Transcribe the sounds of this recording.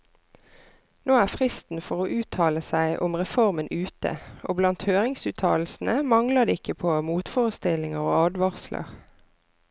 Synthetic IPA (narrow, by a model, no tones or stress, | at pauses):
noːæːfʁɪst̪n̩fɔʁoːʔʉːt̪ʰɑːləsæɪʔʊmʁɛfɔʁmənʔʉːt̪ə̰ʔo̰ːblɑnt̪høːʁɪŋsʉːt̪ʰɑ̰ːl̩sn̩əmɑŋlɑd̪əɪkəpʰoːmuːt̪foːʁəst̪ɪlɪŋəʁoːɑːd̪ʋɑʁslə̰ʁ